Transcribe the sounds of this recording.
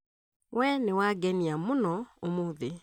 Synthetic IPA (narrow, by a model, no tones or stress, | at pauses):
wɛnewaɡɛniamonɔomoðe